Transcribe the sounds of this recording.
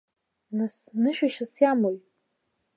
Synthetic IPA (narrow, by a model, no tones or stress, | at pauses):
nasnɨʃᶣaʃasjamojʼ